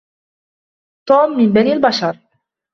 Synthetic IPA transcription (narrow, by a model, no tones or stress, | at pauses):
t̪ɔːmːinbæniːalbaʃɑɾˤ